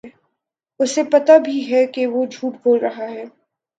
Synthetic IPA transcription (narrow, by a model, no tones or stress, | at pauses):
ʊsepɐt̪abʱiɦɛkeʋod͡ʒʱuːʈ̚boːlɾɐɦaɦɛː